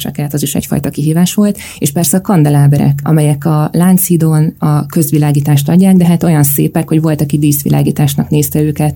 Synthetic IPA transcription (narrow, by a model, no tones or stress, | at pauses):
t͡ʃɒ̰kɛːt̪ɒziʃɛ̰cfɒ̰jt̪ɒkiɦiːvaːʃʋo̞lt̪ | eːʃpɛrsɛɒkɒnd̪ɛlaːbɛɾɛ̰kʰɒ̰mɛjɛkɒlaːnt̪siːd̪oːnɒkø̞zʋilaːɡiːt̪aːʃt̪ɒɟːaːɡd̪ɛɦaːt̪o̞jɒnsḛːpɛkho̞ɟʋo̞lt̪ɒkid̪iːsʋḭlʔa̰ːɡiːt̪aːʃnɒkneːst̪ɛøːkɛt̪